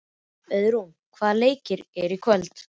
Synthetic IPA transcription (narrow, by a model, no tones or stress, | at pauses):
œðɾum | kʰvaːðleːjcɪɾɛɾikʰvœlt̪